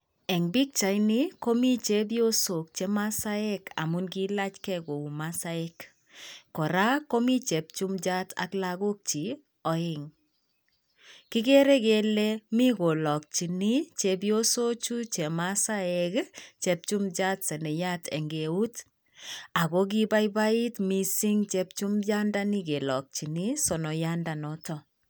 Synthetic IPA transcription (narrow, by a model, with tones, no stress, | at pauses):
ɛ˨ŋbi˦k̚t͡ʃa˨jni˦ko˦mi˦t͡ʃe˦bjo˦so˨k̚t͡ʃe˦ma˦sa˦ɛ˦ka̰˨mu˦nki˦la˦t͡ʃkɛ˦ɡo˨u˨ma˦sa˦ɛ˦kː | ɔ˨ɾa˦ko˦mi˦t͡ʃɛ˨p̚t͡ʃu˦md͡ʒa˦tʰa̰˨klaɡo˦k̚t͡ʃi˨ | ɔ˨ɪ˦ŋ | ki˦ke˦ɾe˦ke˦le˦mi˦ɡo˨lɔ˨k̚t͡ʃi˨ni˦t͡ʃe˨bjo˦so˦t͡ʃu˦t͡ʃe˨ma˦sa˦ekt͡ʃɛ˨p̚t͡ʃu˦md͡ʒa˦tsɛ˨nɛ˨ja˦tʰɛ̰˨ŋɡe˨u˦t | a˨kɔ˦k̬i˦ba˦jba˦i˦tmi˨si˦ŋt͡ʃep̚t͡ʃu˦md͡ʒa˦nda˦ni˦ke˨lɔ˨k̚t͡ʃi˨ni˦sɔ˨nɔ˨ja˦nda˨nɔ˦tɔ˦